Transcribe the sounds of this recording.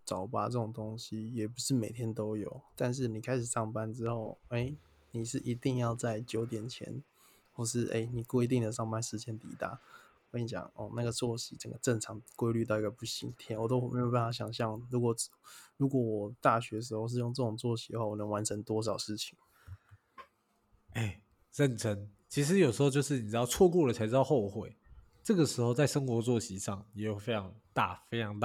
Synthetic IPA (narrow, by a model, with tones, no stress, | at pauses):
t͡sɑ˨˩ʊpa̰˥t͡sə˥˩ʈ͡ʂʊ˨˩ŋt̪o˥ŋɕi˦jɛ˨˩p̬u˧˥ʂɻ̩˥˩me˨˩ɪt̪ʰjɛ˥nt̪o˥ʊjo˨˩˦ʊt̪a˥˧nʂ̬ɻ̩˥˩ni˨˩kʰa˥ɪʂɻ̩˨˩ʂɑ˥˩ŋpa˥˧nʈ͡ʂɻ̩˥xo˥˩ʊe˥˩ɪ | ni˨˩ʂɻ̩˥˩ʔi˧˥t̪i˥˧ŋjɑ˥˧ʊt͡sa˥˩ɪt͡ɕjo˨˧˥ʊt̪jɛ˨˩nt͡ɕʰjɛ̰˧˥n | xwɔ˥˩ʂɻ̩˥˩ʔḛ˥˩ɪni˨˩kwe˥ɪt̪i˥˩ŋd̪ə˩ʂɑ˥˩ŋpa˥˧nʂɻ̩˧˥t͡ɕjɛ˦˥nt̪ḭ˨˩t̪a̰˥˩ | kni˧˩t͡ɕjɑ̰˨˩ŋɔ˥˨˩na˥˩ɡə˩t͡sʰwɔ˥˩ɕi˨˥t͡sə˨˩ŋɡə˦ʈ͡ʂə˥˩ŋʈ͡ʂʰɑ˧˥ŋkwe˥ɪly˥˧t̪ɑ˥˩ʊi˧˥ɡə˨˩pu˥˩ɕḭ˧˥ŋt̪ʰjɛ˥nwɔ˨˩o˥xmḛ˧˥jo˨˩ʊpa˥n˩fa˧ɕjɑ˨˩ŋɕ̬jɑ˥˩ŋɻu˧˥kwɔ˨˩ɻu˧˥kwɔ˨˩wɔ˨˩t̪a˥˩ɕ̬ɥɛ˧d̪ə˧ʂ̬̩˧˥xo˥˧ʊʂ̬ɻ̩˥˧jo˥˧ŋt͡sə˥˩ʈ͡ʂʊ˨˩ŋt͡swɔ˥˩ɕi˧˥d̪ə˧xwa˥˩wnə˧˦ŋwa˧˦nʈ͡ʂʰə˧˦ŋt̪wɔ˥ʂ̬ɑ˨˩ʊʂɻ̩˥˩t͡ɕʰi̥˨˩˦ŋ | e˥˩ɪ | ɻə˥˨nʈ͡ʂʰə˧˥ŋt͡ɕʰi˧˥ʂ̬ɻ̩˧˦jo˨˩ʊʂɻ̩˧˥xo˥˧t͡ɕo˥˧ʂɻ̩˥˩ni˨˩ɻ̩˥ɑ˥˧ʊt͡sʰwɔ˥˧kwɔ˥˩lə˨˩a˧ɪɻ̩˧˥˧ɑ˥˧xo˥˧ʊxwe˥˩ɪ | ʈ͡ʂɤ˥˩ɡə˩ʂɻ̩˧˥xo˥˧ʊt͡sa˥˩ɪʂə˥ŋxwɔ˧˥t͡swɔ˥˩ɕi˧˥ʂɑ˥˩ŋjɛ˨˥jo˨˩ʊfe˥ɪʈ͡ʂʰɑ˧˦ŋt̪a˥˧fe˥ɪɑ˧˥ŋt̪